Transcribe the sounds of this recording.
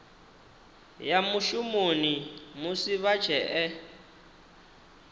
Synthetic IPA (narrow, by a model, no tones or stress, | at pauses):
jamuʃumonimusiβḁʒ̥ʰʱɛʔɛ